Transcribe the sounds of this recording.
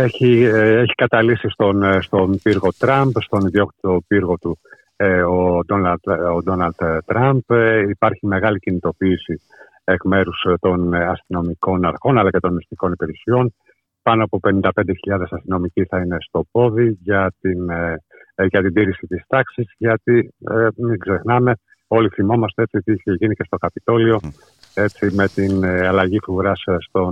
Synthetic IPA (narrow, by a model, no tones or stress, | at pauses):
eçieçi̥kɐt̪ɐlisist̪onst̪o̞piɾɣo̞t̪ɾɐmbst̪o̞niðio̞kt̪it̪o̞piɾɣo̞t̪u | od̪onod̪o̞nɐlt̪t̪ɾɐmbipɐɾçime̞ɣɐlicinit̪o̞piːsi | ekme̞ɾust̪o̞nɐst̪ino̞miko̞nɐɾxo̞nɐlɐce̞t̪o̞nmist̪iko̞nipiɾisio̞n | pɐnoɐpo̞pe̞nind̪ɐped̪eçiʎɐðe̞sɐst̪ino̞miciθɐine̞st̪o̞po̞ðiʝɐt̪in | ʝɐt̪ind̪iɾisit̪ist̪ɐksizʝɐt̪iemiɡze̞xnɐme̞ | o̞liθimo̞mɐst̪e̞e̞t͡sio̞t̪iiçeʝinice̞st̪o̞kɐpit̪o̞lio̞ | e̞t͡sime̞t̪inɐlɐʝifuuɾɐsst̪o̞